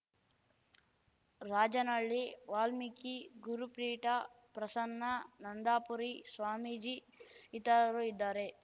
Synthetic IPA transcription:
ɾaːd͡ʒɐnɐɭːiʋaːlmikiɡuɾupɾiːʈɐ | pɾɐsɐnːɐnɐnd̪aːpuɾisʋaːmid͡ʒi | it̪ɐɾɐɾuid̪ːaːɾe

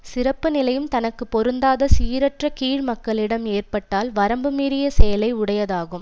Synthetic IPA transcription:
sɪɾɐpːɯnɪlɐjɯmt̪ɐnɐkːɯpːɔɾɯnd̪aːðɐsiːɾɐʈrɐkiːɻmɐkːɐɭɪɽɐmeːrpɐʈːaːlʋɐɾɐmbɯmiːɾɪjɐsɛjɐlɐɪʊɽɐjɐðaːɣɯm

